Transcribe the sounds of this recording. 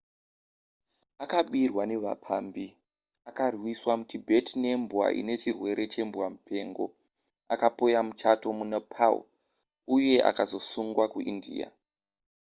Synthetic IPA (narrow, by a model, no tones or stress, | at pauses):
akaɓirwane̞ʋa̰pʰaːmbi | akarwiswamutibʱetʰine̞mbwa̰ʔḭne̞t͡ʃirwe̞ɾʔe̞t͡ʃe̞mbuwamupʰe̞ŋɡo̞̰ | akapo̞jamut͡ʃatomunapʰa̰ṵ | uje̞ʔa̰kazo̞suŋɡwakuʔindḭa̰